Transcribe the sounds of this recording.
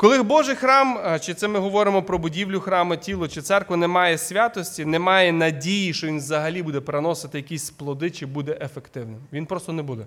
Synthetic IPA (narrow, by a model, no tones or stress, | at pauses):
kɔlˠɪɦbɔʒɪjxɾɑmt͡ʃɪt̪sɛmɪɦɔʋɔɾɪmɔpɾɔbʊdʲiwlʲʊxɾɑmɐtʲilˠɔt͡ʃɪt̪sɛrkʋɐnɛmɑjɛsʲʋʲɑt̪ɔsʲtʲinɛmɑjɛnɐdʲijiʃt͡ʃɔʋʲinʋzɐɦɐlʲibud̪ɛpeɾenɔsɪt̪ɪjɐkʲisʲsplˠɔd̪ɪt͡ʃɪbud̪ɛʔefekt̪ɪwnɪmʋʲinpɾɔst̪ɔnebud̪ɛ